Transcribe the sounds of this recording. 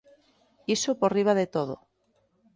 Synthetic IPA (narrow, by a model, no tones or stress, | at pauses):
isoporiβ̞aðet̪oð̞o̰